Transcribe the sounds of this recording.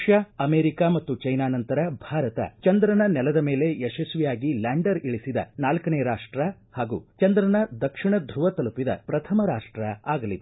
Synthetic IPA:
ʂjɐɐmeːɾikaːmɐt̪ːut͡ʃɐjnaːnɐnt̪ɐɾɐbʱaːɾɐt̪ɐ̰t͡ʃɐnd̪ɾɐnɐnɛlɐd̪ɐmeːle̞jɛʃɐsʋijaːɡilaːɳɖɐɾiɭisid̪ɐ̰naːlkɐneːɾaːʂʈɾɐhaːɡṵːt͡ʃɐnd̪ɾɐnɐd̪ɐkʂiɳɐd̪ʱɾuʋɐt̪ɐlupid̪ɐ̰pɾɐt̪ʰɐmɐɾaːʂʈɾɐaːɡɐlid̪e

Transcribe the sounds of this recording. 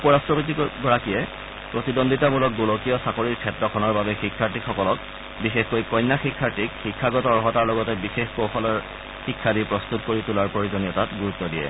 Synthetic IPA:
upɔɹastɹɔpit̬iɡɔɹakijɛ | pɹotidondʱitamulɔk̚ɡulokijɔsakoɹiɹkʰɛtɹɔkʰɔnɔɹbabɛxikʰːaɹtixɔkɔlɔk̚ | bixexkojkɔjnːaxikʰːaɹtikxikʰːaɡɔtɔɹɔɦɔtaɹlɔɡɔtɛbixexkowxʰɔlɔɹ | xikʰːadipɹɔstutkoɹitulaɹpɹoɹizonijɔtatɡuɹutːɔdijɛ̰

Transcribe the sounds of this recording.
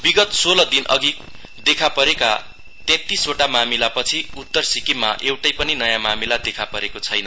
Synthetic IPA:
biɡʌt̪solʌd̪inʔʌ̰ɡi | d̪ekʰapʌɾeka | t̪ẽt̪isoʈamamilapʌt͡sʰiut̪ːʌrsikimːa̰ʔewʈʌjpʌninʌjamamilad̪ekʰapʌɾekot͡sʰʌjnʌ

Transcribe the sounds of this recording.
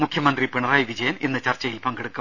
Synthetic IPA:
mukʰjɐmɐnd̪ripiɳɐraːjiʋid͡ʑɐjɐmenːɨt͡ɕɐrt͡ɕːɐjilpɐŋɡeɽukːɐ

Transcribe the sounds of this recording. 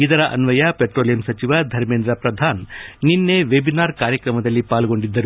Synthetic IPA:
id̪ɐɾɐʔɐ̰nʋɐjɐpeʈɾoːlijɐmsɐt͡ʃiʋɐd̪ʱɐɾmeːnd̪ɾɐpɾɐd̪ʱaːnːinːeʋebinaːɾkaːɾjɐkɾɐmɐd̪ɐlːipaːlɡo̞ɳɖid̪ːɐɾu

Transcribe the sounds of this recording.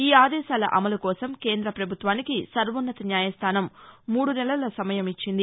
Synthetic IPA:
iːaːd̪ɛːʃaːlɐ̰ʔɐmɐlukɔːsɐmkeːnd̪ɾɐpɾɐbʱut̪ʋaːnikisɐɾʋɐnːɐt̪ɐnjaːjɐst̪ʰaːnɐmːuːɽunɛlɐlɐsɐmɐjɐmit͡ʃːind̪i

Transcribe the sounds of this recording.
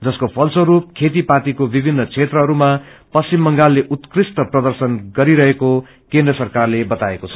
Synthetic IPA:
d͡zʌskopʰʌlsoɾup̚kʰet̪̬ipat̪ikobibʱinːʌt͡sʰet̪rʌɦʌɾumapʌst͡simːʌŋɡalːeʔut̪krist̪ʌprʌd̪ʌrsʌnɡʌɾiɾʌɦeko | kẽnd̪rʌsʌrkarlebʌt̪aekot͡sʰʌ̥

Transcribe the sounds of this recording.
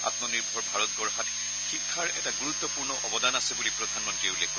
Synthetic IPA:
a̰tmɔniɹbʱɔɹbʱaɹɔt̚ɡɔɹɦat | xikʰːaɹɛ̰taɡuɹut̪ːɔpuɹnɔʔɔbɔdanasɛbulipɹɔdʱanmɔntɹieulekk

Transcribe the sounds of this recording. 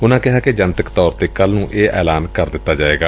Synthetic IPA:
ʊnãːkɪɦaːked͡ʒənt̪əkt̪ɔːɾt̪eːkəlnũːʔeːʔɛːlaːnkəɾd̪ɪt̪ːaːd͡ʒaːeːɡaː

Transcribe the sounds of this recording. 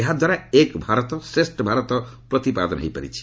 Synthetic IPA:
eɦad̪ʱwaɾaekbʱaɾɔt̪ɔsɾesʈɔbʱaɾɔt̪ɔpɾɔt̪ipa̰d̪ɔnɦḛjpa̰ɾḭt͡ʃʰi̥

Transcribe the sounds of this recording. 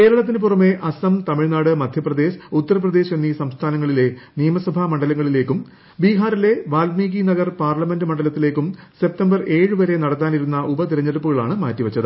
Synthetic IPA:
keːɾɐɭɐt̪̬ːinɨp̬urɐme̞ʔɐsɐmt̪ɐmiɻnaːɽɨmɐd̪ʱjɐprɐd̪e̞ːɕut̪ːɐrɐp̬rɐd̪e̞ːɕenːisɐmst̪ʰaːnɐŋːɐɭile̞nijɐmɐsɐbʱamɐɳɖɐlɐŋːɐɭile̞ːkːum | biːɦaːɾile̞ʋaːlmiːɣinɐɣɐrpaːrlɐme̞ndɨmɐɳɖɐlɐt̪ːile̞ːkːumse̞p̚tɐmbɐre̞ːɻɨʋɐɾe̞nɐɽɐt̪ːaːniɾunːɐʔubɐt̪iɾɐɲːɐɽupːuɣɐɭaːɳɨmaːtːiʋɐt͡ɕːɐðɨ

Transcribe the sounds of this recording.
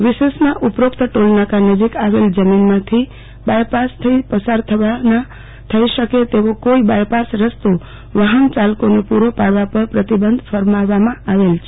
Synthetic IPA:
ʋisesmãʔupɾokt̪əʈolnakanəd͡ʒikaʋeld͡ʒəminmãt̪ʰi | bajpast̪ʰəipəsaɾt̪ʰəʋana | t̪ʰəisəket̪eʋokoibajpasɾəst̪o | ʋəɦənt͡ʃalkonepuɾopaʋapəɾpɾət̪ibənd̪ʱfʰəɾmaʋamãaʋelt͡ʃʰe

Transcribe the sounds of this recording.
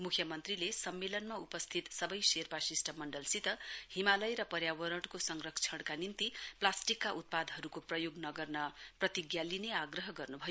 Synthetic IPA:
mukʰjʌmʌnt̪rilesʌmːelʌnmaupʌst̪ʰit̪sʌbʌjserpasisʈʌmʌɳɖʌlsit̪ʌhimalʌjɾʌpʌɾjawʌɾʌʈkosʌŋrʌk̚t͡sʰʌɽ̃kanint̪iplasʈikːaʔut̪̚pad̪ʱɦʌɾukoprʌjoɡnʌɡʌrnʌprʌt̪iɡjalineaɡrʌɦʌɡʌrnubʱʌjo

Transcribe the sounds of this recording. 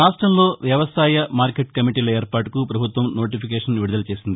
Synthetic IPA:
ɾaːʂʈɾɐmlo̞ːʋjɐʋɐsaːjɐmaːɾkeʈ̚kɐmiʈiːlɐeːɾpaːʈukupɾɐbʱut̪ʋɐmno̞ːʈipʰik̬eːʂɐnʋiɽud̪ɐlɐt͡ʃe̞ːsind̪i

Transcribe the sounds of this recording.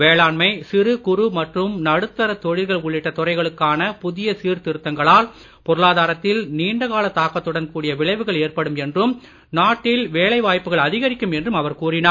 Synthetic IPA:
ʋeːɭaːɳmɐɪsɪɾɯkʊɾʊmɐʈrɯmnɐɽɯt̪ːɐɾɐt̪ɔɻɪɾɣɐɭʊɭːɪʈːɐt̪ɔrɐɪɣɐɭɯkːaːnɐpʊðɪjɐsiːɾt̪ɪɾɯt̪ːɐŋɡɐɭaːl | pɔɾɯɭaːðaːɾɐt̪ːɪlniːɳɖɐɣaːlɐt̪ːaːkːɐt̪ːɯɽɐnkuːɽɪjɐʋɪɭɐɪʋɯɣɐɭeːrpɐɽɯmɛndrɯm | naːʈːɪlʋeːlɐɪʋaːjpːɯɣɐɭɐðɪɣɐɾɪkːɯmɛndrɯmɐʋɐɾkuːrɪnaː

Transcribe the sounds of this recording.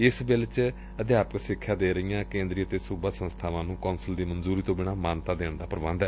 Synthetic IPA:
ɪsbɪlt͡ʃ | əd̪jaːpksɪkʰːjaːd̪eːɾəijãːkẽːnd̪ɾiːət̪eːsuːbaːsənst̪ʰaːʋãːnũːkɔːnsəld̪iːmənzuːɾiːt̪õːbɪɽaːmaːnt̪aːd̪eːɳd̪aːpəɾbə̃nd̪ɛː

